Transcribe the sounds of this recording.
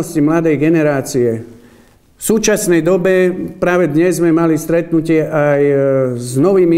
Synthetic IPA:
ɔscimlad̪ɛjɡɛnɛɾaːt͡siɛ | fsuːt͡ʃasnɛjd̪ɔbɛpɾaːʋɛd̪ɲɛzːmɛmalist̪ɾɛt̪nucɪɛʔajznɔʋiːmi

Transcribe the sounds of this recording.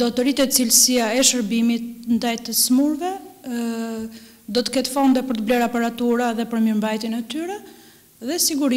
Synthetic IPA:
d̪ɔt̪ɔɾit̪ɛt͡silsiaɛʃəɾbimit̪̚nd̪ajt̪əsmuɾvɛ | d̪ɔt̪ə̥kɛt̪fɔnd̪ɛpəɾt̪əblɛɾapɛɾat̪uɾaðɛpəɾməɾmbajt̪jɛnɛt̪yɾɛ | ðɛsiɡuɾi

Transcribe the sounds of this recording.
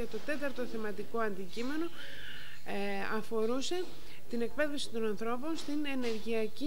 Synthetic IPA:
ɐt̪o̞t̪e̞t̪ɐɾt̪oθemɐt̪iko̞ɐnd̪icime̞no̞ | ɐfo̞ɾuse̞ | t̪ine̞k̚pe̞ðefsi̥t̪o̞nɐnθɾo̞po̞nst̪ine̞ne̞ɾʝiɐci

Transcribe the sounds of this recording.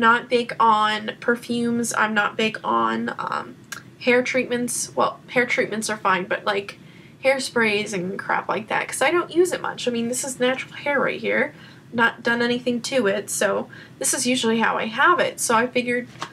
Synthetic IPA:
mnət̚b̥eɪkn̩pʰə˞fjʉ̃mzã̰ɪ̃mnə̰t̚b̥eɪkn̩ʌ̰̃m | hɛɹtʰɹ̥it̚mɨ̃ntswɛ̰lˠhɛɹtʰɹ̥it̚mɨ̃ntsə˞fãɪ̃nbʌt̚laɪk | hɛɹspɹeɪzɨ̃nkʰɹ̥æ̰pla̰ɪk̚ðæ̰t̚kʰʌ̥zaɪɾõʊ̃nʔjʉzɨt̚mʌ̰t͡ʃaɪmĩnðɪsɨznæt͡ʃɹl̩ˠhɛɹɹḛɪt̚hiɹ | nət̚d̥ʌ̃nɛñiθɪ̃ŋtʰɨɪtsoʊ | ðɪsɨzjʉʒl̩ˠiha̰ʊa̰ɪəvɪ̰tsoʊaɪfɪɡjə˞d̚

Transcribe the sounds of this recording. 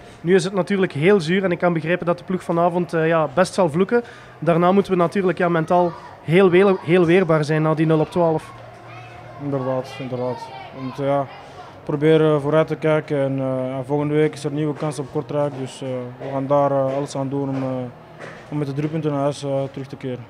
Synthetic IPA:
nyɪs̬ɦətnatyːrləkɦeːlˠzyːrɛnɪkːɑnbəɣreːpəndɑt̚də̥pluxfɑnaːvɔntəjaːbɛstsɑlˠvlukə | daːrnaːmutənʋənatyːrləkjaːmɛntaːlˠ | ɦeːlˠɦeːlˠʋeːrbaːrzɛjnːaːdinɵlˠɔp̚twaːləf | ɪndərdaːtɪndərdaːtʋəmutənjaː | probeːɾəvoːɾœtəkɛjkəɛnjavɔlˠɣəndəʋeːkɪsərniːwəkɑnsɔp̚kɔrtrɛːk̚dɵsʋəɣaːndaːɾəɑləsaːnduːnɔm | ɔmːɛtdədrypʏntənɦœsətəɾʏxtəkɪːɾə

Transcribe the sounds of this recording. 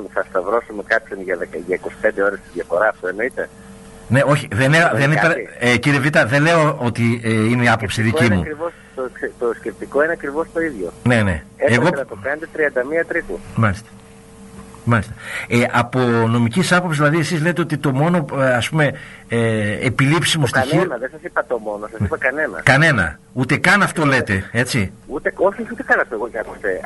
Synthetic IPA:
θɐst̪ɐvɾo̞sumekɐpçonʝɐðekɐʝɐikosi̥pend̪eo̞ɾest̪izðʝɐfo̞ɾɐːft̪oeno̞it̪e̞ | ne̞o̞çiðeneðenipeɾeciɾievit̪ɐðe̞le̞oot̪ieineiɐpo̞psiðicimuɾivost̪okset̪osce̞p̚t̪iko̞ineɐkɾivo̞st̪o̞iðʝo̞ne̞ne̞ | eeɣonɐt̪okɐnet̪et̪ɾiɐnd̪ɐmiɐt̪ɾit̪umɐlist̪ɐ̥ | mɐlist̪ɐ̥eʔɐpo̞no̞micisɐpopsizðilɐðie̞sizle̞t̪e̞o̞t̪it̪o̞mo̞no̞ɐspume̞eepilipsimosinionɐðesɐsipɐt̪omo̞nosɐsipɐkɐnenɐ̰kɐne̞nɐ̰ | ut̪e̞kɐnɐft̪o̞le̞t̪e̞e̞t͡siut̪eoçeçut̪ekɐnɐft̪oeɣoɲɐkust̪ḛ

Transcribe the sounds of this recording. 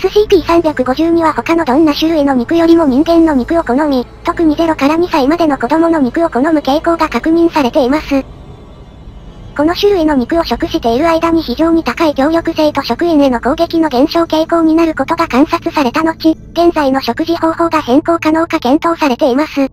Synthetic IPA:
esɨɕiːpʲiːsãmbʲjakɯ̟ɡo̞ʑɨːɲ̟iβ̞aho̞kano̞d̪õ̞nːaɕɨɾɯ̟ino̞m̟ʲikɯ̟jo̞ɾʲimo̞ɲ̟ʲĩŋɡẽ̞nːo̞mʲikɯ̟o̞ko̞no̞mʲit̪o̞kɯ̟ɲ̟ize̞ɾo̞kaɾaɲ̟isaimad̪e̞no̞ko̞d̪o̞mo̞no̞mʲikɯ̟o̞ko̞no̞mɯ̟ke̞ːko̞ːɡakakɯ̟ɲ̟ĩɰ̃saɾe̞t̪e̞imasɨ | ko̞no̞ɕɨɾɯ̟ino̞mʲikɯ̟o̞ɕo̞kɯ̟ɕi̥t̪e̞iɾɯ̟aid̪aɲ̟içiʑo̞ːɲ̟it̪akaikʲjo̞ːjo̞kɯ̟se̞it̪o̞ɕo̞kɯ̟ẽnenoko̞ːɡe̞kʲino̞ɡẽ̞ɰ̃ɕo̞ːke̞ːko̞ːɲ̟inaɾɯ̟ko̞t̪o̞ɡakãɰ̃sat͡sɨsaɾe̞t̪ano̞t͡ɕiɡ̥ẽ̞nzaino̞ɕo̞kɯ̟ʑiho̞ːho̞ːɡahẽ̞ko̞ːkano̞ːkakẽ̞nt̪o̞ːsaɾe̞t̪e̞imasɨ

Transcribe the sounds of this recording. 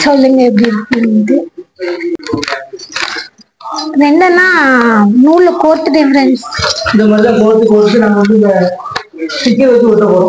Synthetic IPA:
sɔlːiŋɡɐɛp̬ːɐɽiɪɾɯkːɯnkɯ | ɾɛɳɖɐnaːnuːɾlɯkoːɾʈːɯɖɪfɐɾɐnsɪnd̪ɐmaːðɾiãkoːɾʈ̪ːɯkoːɾʈʈːɯnaːŋɡɐʋɐnd̪ɯɪnd̪ɐ | sɪkːeʋɐt͡ʃːɯkoʈ̪ːɐkoːɾ

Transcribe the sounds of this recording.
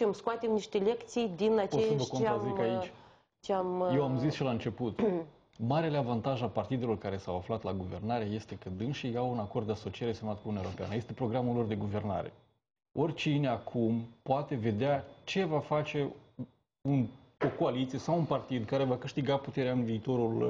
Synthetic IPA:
ɨmskoat̪emniʃt̪e̞le̞kt̪sijd̪inat͡ʃossvəkoɾazikait͡ʃ | t͡ʃeamjewamzisʃilaɨnt͡ʃe̞put̪ | maɾeleavant̪aʒapart̪id̪e̞lo̞rkaɾe̞sawaflat̪laɡuve̞rnaɾeaje̞st̪e̞kəd̪ɨnʃijawunako̞rd̪d̪e̞aso̞t͡ʃieɾe̞semat̪kuijeɾo̞pea̰nəje̞st̪e̞pɾo̞ɡɾamulːo̞rd̪e̞ɡuve̞rna̰ɾe̞̰ | o̞rʲt͡ʃine̞akʰumpoat̪e̞ve̞d̪eat͡ʃe̞vafat͡ʃe̞ | un | okoalit̪sije̞sawunpart̪id̪kaɾe̞vakɨʃt̪iɡaput̪e̞ɾeaɨnviːt̪o̞ɾul

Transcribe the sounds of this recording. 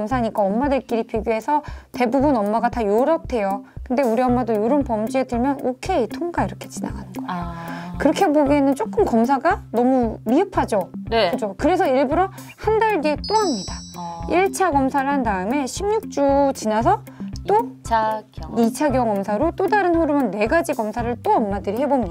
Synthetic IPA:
ʌmsʰaɲik͈aʌmːadeɭk͈iɾipjiɡjuɦe̞sʰʌte̞bubunʌmːaɡatajoɾʌp̚tʰe̞jokɯnde̞uɾiʌmːadojoɾonpʌmd͡ʑie̞dɯɭmjʌnokʰe̞itʰoŋɡaiɾʌkʰe̞̥t͡ɕina̰ɡa̰nɯnɡʌeokɯɾʌkʰe̞boɡienɯnt͡ɕ͈ok͈ɯmkʌmsʰaɡanʌmumiɦɯpʰad͡ʑokɯd͡ʑokɯɾe̞sʰʌiɭbuɾʌ | handaɭɡet͈ohamɲidaiɭt͡ɕʰaɡʌmsʰaɾɯɭɦandaɯme̞ɕʰimɲuk̚t͡ɕ͈ut͡ɕinasʰʌ | t͈o | it͡ɕʰaɡjʌŋʌmsʰaɾot͈odaɾɯnɸoɾɯmɯnːe̞ɡad͡ʑiɡʌmsʰaɾɯɭt͈oʌmːadɯɾiɦe̞bomɲ

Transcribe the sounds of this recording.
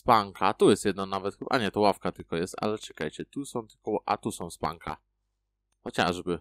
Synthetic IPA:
spaŋkʰat̪ujɛst̪jɛd̪nanavɛt̪xbʔa̰ɲɛt̪ɔwafkat̪ɘlkɔjɛst̪a̰lɛt͡ʂɛkajt͡ɕɛt̪usɔ̃w̃t̪ɘlkɔʔa̰t̪usɔ̃w̃spa̰ŋkʰa̰ | xɔt͡ɕa̰ʐbɘ

